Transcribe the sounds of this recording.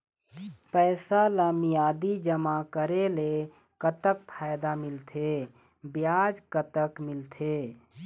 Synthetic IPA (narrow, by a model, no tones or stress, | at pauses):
pəːsaləmijaːd̪id͡ʒəmakəɾele | kət̪ək̚pʰaːjd̪amɪlt̪ʰe | bjaːd͡ʒkət̪əkmɪlt̪ʰeː